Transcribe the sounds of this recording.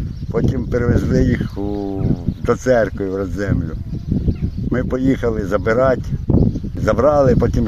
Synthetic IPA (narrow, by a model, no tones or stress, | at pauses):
pɔtʲimpeɾeʋezlˠɪjixu | d̪ɔt̪sɛrkojiʋrɐd̪zɛmlʲʊ | mɪpɔjixɐlˠɪzɐbɪɾɑtʲ | zɐbɾɑlˠɪpɔtʲim